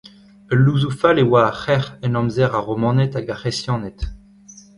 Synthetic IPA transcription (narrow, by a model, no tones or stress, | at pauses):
əluzufalewaːχɛʁɛnɑ̃mzɛʁaʁomɑ̃nɛt̪aɡaχesjɑ̃ːnɛt̪